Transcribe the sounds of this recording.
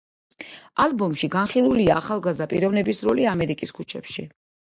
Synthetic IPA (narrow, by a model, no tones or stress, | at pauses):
alˠbɔmʃiɡanχilˠuliaːχalˠɡazd̪apʼiɾɔvnɛbisɾɔliamɛɾikʼiskʰut͡ʃʰɛpʃḭ